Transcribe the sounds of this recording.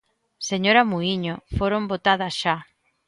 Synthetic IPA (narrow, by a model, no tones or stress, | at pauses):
seɲoɾɐmuiɲofoɾombot̪aðɐsʃa